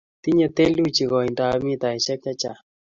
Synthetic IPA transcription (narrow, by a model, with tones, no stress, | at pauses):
t̪i˦ɲe˨t̪e˦lu˦t͡ʃi˨kɔ˨i˨nda˨˦mi˦t̪a˨i˨ʃɛ˦k̚t͡ʃa˦t͡ʃa˨